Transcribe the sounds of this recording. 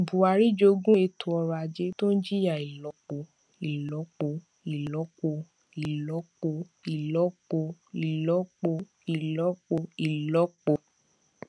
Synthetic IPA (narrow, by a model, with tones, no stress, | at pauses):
i˨bu˨a˨ɾi˦d͡ʒo˧ɡũ˦e˧tu˧ɔ˧ɾa˨d͡ʒe˨˧˦to˦n̩˦d͡ʒi˦ja˦˨i˨lɔ˨˦k͡po˧ | i˨lɔ˨˦k͡po˧ | i˨lɔ˨˦k͡po˧ | i˨lɔ˨˦k͡po˧i˨lɔ˨˦k͡po˧i˨lɔ˨˦k͡po˧ | i˨lɔ˨˦k͡po˧i˨lɔ˨˦k͡po˧